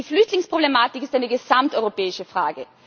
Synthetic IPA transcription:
iflʏçtlɪŋspʁ̥oblemaːtɪkɪstaɪnəɡəzamtʔɔʏʁopɛːɪʃəfʁ̥aːɡə

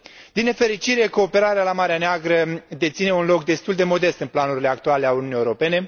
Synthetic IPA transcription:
d̪ine̞fe̞ɾit͡ʃiɾe̞ko̞ːpe̞ɾaɾealamaɾeaneaɡɾəd̪e̞t̪sine̞unlo̞kd̪e̞st̪uld̪e̞mo̞d̪e̞st̪ɨnplanuɾile̞akt̪uale̞auniunijewɾo̞pe̞ne̞

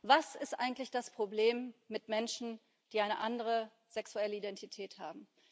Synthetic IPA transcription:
vasɪstʔa̰ɪɡŋ̩tlɪçd̥aspʁ̥obleːmːɪtmɛnʃn̩ | d̥iːaɪnəʔandəʁə | z̥ɛksuɛləidɛntitʰɛːthaːbm̩

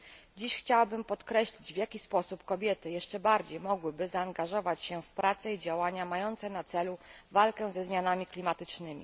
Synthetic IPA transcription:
d͡ʑiɕxt͡ɕawabɘmpɔt̪kɾɛɕlʲid͡ʑvjakʲispɔsupkɔbʲjɛt̪ɘjɛʂt͡ʂɛbaɾd͡ʑejmɔɡwɘbɘzaːŋɡaʐɔvat͡ɕɕɛfpɾat̪sɛid͡ʑawaɲamajɔnt̪sɛnat̪sɛluvalkɛ̃zɛzmʲjanamʲiklʲimat̪ɘt͡ʂnɘmʲḭ

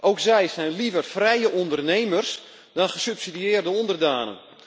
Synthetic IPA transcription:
ʔowksɛjsɛjnlivərfrɛjəʔɔndərnejmərs | d̥ɔnxəsypsidiɪːrdəɔndərdaːnə̰n

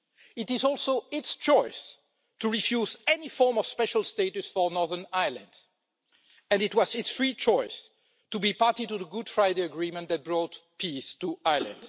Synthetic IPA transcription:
ɪtɪzɔlˠsoʊɪtst͡ʃɔɪs | tuɹifjuzɛnifɔɹmɔv̥spɛʃəlˠsteɪtusfɔ˞nɔɹðə˞naɪlˠə̰̃nd | ɨ̃nɨtwʌzɪtsɹit͡ʃɔɪs | tubipaɹtituðəɡʊd̥fɹaɪdeəɡɹĩmə̃ntðæt̚b̥ɹɔtpʰistuaɪlə̰̃nd̥

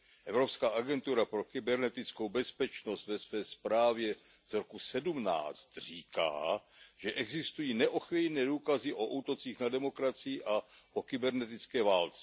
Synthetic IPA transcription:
ʔɛvɾo̞pskaːʔaɡɛnt̪uɾapɾo̞kɪbɛɾnɛt̪ɪt͡sko̞wbɛspɛt͡ʃno̞st̪vɛsvɛːspɾaːvjɛ | z̥ɾokusɛdumna̰ːt͡st̪r̝̥iːka̰ːʒ̥ɛʔɛɡzɪst̪ujiːnɛʔoxvijnɛːduːkazɪʔoʔuːt̪o̞t͡siːxnadɛmo̞kɾat͡sɪjɪʔaʔokɪbɛɾnɛt̪̬ɪt͡skɛːvaːlt͡sɛ̥

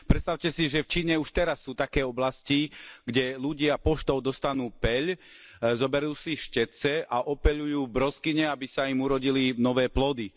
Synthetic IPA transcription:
pɾɛt̪st̪aʊcɛsiʒɛft͡ʃiːɲɛuʃt̪ɛɾasːuːt̪akɛːɔblasciɡɟɛluɟɪapɔʃt̪ɔʊd̪ɔst̪anuːpɛʎ | zɔbɛɾuːsiʃcɛt͡sɛʔaʔɔpɛʎujuːbɾɔskiɲɛabisaimuɾɔɟilinɔʋɛːplɔd̪i

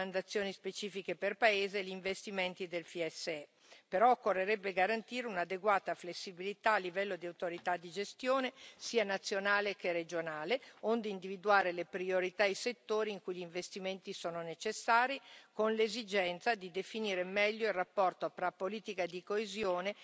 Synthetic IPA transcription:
and̪at̪sːjoːnispet͡ʃiːfikeperpaeːzeːʎiɱvest̪iment̪id̪elfiɛsːeɛ | peɾɔokːorːeɾɛbːeɡaɾant̪iːɾeunad̪eɡwaːt̪aflesːibilit̪aːlːivɛlːod̪iawt̪oɾit̪ad̪ːid͡ʒest̪joːnesiːanat̪sːjonaːlekered͡ʒonaːleond̪eind̪ivid̪uaːɾelepɾioɾit̪aejset̪ːoːɾiːŋkujʎiɱvest̪iment̪isoːnonet͡ʃesːaːɾikonlezid͡ʒɛnt̪sad̪id̪efiniːɾemɛʎːoilrapːɔrt̪ofɾapːoliːt̪ikad̪ikoezjoːne

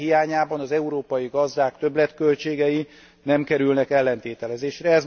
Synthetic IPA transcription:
hiaːɲaːbɒnɒzɛuɾoːpɒjiɡɒzd̪aːkt̪øblɛt̪kø̞lt͡ʃeːɡɛji | nɛmkɛɾylnɛkɛlːɛnt̪eːt̪ɛlɛzeːʃɾɛɛz

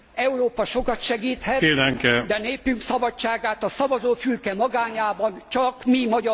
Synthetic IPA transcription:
ɛuɾoːpɒʃo̞kɒt̪ʃɛɡiːt̪hɛt̪eːlɛŋkɛd̪ɛneːpyŋksɒbɒt͡ʃːaːɡaːt̪ɒsɒvɒzoːfylkɛmɒɡaːɲaːbɒnt͡ʃɒkmimɒɟɒ

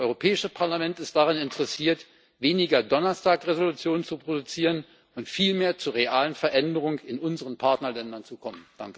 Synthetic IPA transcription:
ʔɔʏʁopʰɛːɪʃəpʰaɐlamɛntɪst̚d̥aʁ̞anɪntʰəʁɛsiːɐt | veːnɪɡɐdɔnɐstʰaːkʁezolut͡sjoːnənt͡supʁ̥odut͡siːʁ̞ən | ʊntfiːlmeːɐt͡suːɐʁ̞eaːlənfɛɐʔɛndəʁ̞ʊŋəɪnʔʊnzəʁənpʰaɐtnɐlɛndɐnt͡sukʰɔmənd̥aŋkə

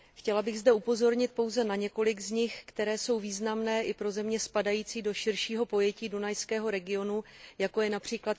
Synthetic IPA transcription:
xcɛlabɪɣzdɛupo̞zo̞ɾɲɪt̪̚po̞wzɛnaɲɛko̞lɪɡzɲɪxkt̪ɛɾɛːso̞wviːznamnɛːʔɪpɾo̞zɛmɲɛspadajiːt͡siːdo̞ʃɪɾʃiːɦo̞po̞jɛciːdunajskɛːɦo̞ɾɛɡɪo̞nujako̞jɛnapr̝̥iːklat̪

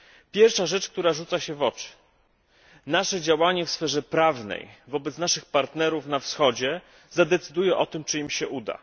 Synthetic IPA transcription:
pʲjɛɾfʂaʐɛt͡ʂkt̪uɾaʐut̪saɕɛvɔt͡ʂɘ̥ | naʂɛd͡ʑawaɲɛfsfɛʐɛpɾavnɛ̰jvɔbɛt̪snaʂɘxpaɾt̪nɛɾufnafsxɔd͡ʑɛ | zad̪ɛt̪sɘd̪ujɛʔɔt̪ɘmt͡ʂɘimɕɛʔud̪a̰

